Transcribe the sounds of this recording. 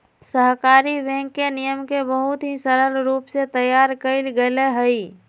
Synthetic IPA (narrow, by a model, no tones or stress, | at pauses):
səɦkaːɾibɛ̃ːŋkːenijəmkebəɦʊt̪ɦisəɾəlɾuːpset̪əjaːɾkəɪlɡəleɦəi